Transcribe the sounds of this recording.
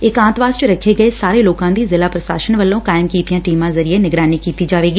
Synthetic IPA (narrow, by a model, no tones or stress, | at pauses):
ɪkãːnt̪ʋaːst͡ʃəɾəkʰeːɡəesaːɾeːloːkãːd̪iːzɪlaːpɾəʃaːʃənʋəlːõːkaːɪmkiːt̪ijãːʈiːmãːzəɾieːnɪɡɾaːniːkiːt̪iːd͡ʒaːʋeːɡi